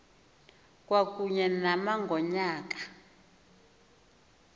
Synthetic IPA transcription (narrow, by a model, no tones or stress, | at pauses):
k̬ʼwak̬ʼuɲɛnamaŋɡɔɲaːk̬ʼḁ